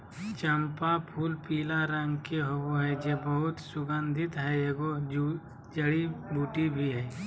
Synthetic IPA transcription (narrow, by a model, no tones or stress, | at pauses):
t͡ʃəmpapʰuːlpiːlaɾə̃ŋɡkeɦowoɦɛd͡ʒeːbəɦʊt̪sʊɡə̃nd̪ʱɪt̪ɦɛeːɡod͡ʒ | d͡ʒəɽibuːʈibʱiɦɛː